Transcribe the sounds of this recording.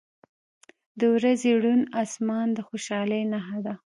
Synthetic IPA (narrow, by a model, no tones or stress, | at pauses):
d̪əwɾazeɽunɑsmɑnd̪əxoʃɑləjnaɦad̪a